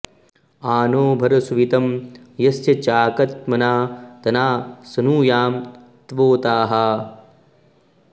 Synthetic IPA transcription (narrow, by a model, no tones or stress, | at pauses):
aːnoːbʱɐɾɐsuʋit̪ɐm | jɐsjɐt͡ʃaːkɐt̪mɐnaːt̪ɐnaːsɐnuːjaːm | t̪ʋoːt̪aːɦa